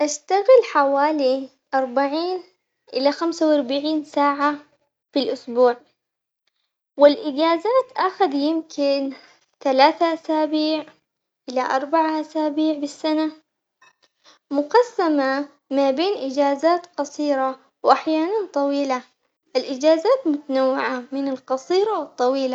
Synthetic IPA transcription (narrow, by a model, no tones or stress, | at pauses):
ʔaʃt̪aɣɪlħawaːli | ʔɑɾˤbaʕiːn | ʔɪlaxamsawɑɾˤbaʕiːnsaːʕa | filʔʊsbuːʕ | wɪlʔɪd͡ʒaːzaːt̪ʔaxʊd̪jɪmkɪn | t̪alaːθaʔasaːbiːʕ | ʔɪlaʔɑɾˤbaʕaʔasaːbiːʕbɪsːana | mʊqɑsːama | mabeːnʔɪd͡ʒaːzaːt̪qɑsˤiːɾˤa | wʔaħjaːnant̪ˤɑwiːla | ʔɪlʔɪd͡ʒaːzaːt̪mʊt̪anawːɪʕamɪnɪlqɑsˤiːɾɑwɨt̪ˤːɑwiːla